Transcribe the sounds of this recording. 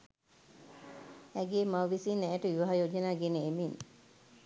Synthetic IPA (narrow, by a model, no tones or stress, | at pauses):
ɛɡeːmawʋisinɛːʈəiʋaɦajoːd͡ʒənaːɡenəemin